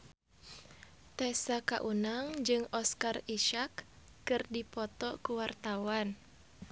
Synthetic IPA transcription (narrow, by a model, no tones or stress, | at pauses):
t̪ɛsaka̰ʔunaŋd͡ʒɨŋɔskariʃakː | ɨrdipɔt̪ɔkuwart̪awan